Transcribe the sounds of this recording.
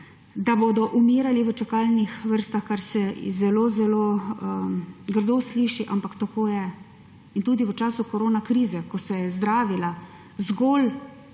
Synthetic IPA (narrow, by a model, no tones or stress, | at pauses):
d̪aboːd̪ɔʔumiːɾaliʋət͡ʃakaːlnixʋəɾst̪axkaɾsɛ̰zɛloːzɛloː | ɡəɾd̪oːsliːʃiʔampakt̪akoːjɛ | int̪uːd̪iʋət͡ʃaːsukɔɾoːnakɾiːzɛkɔsɛjɛzd̪ɾaːʋila | zɡol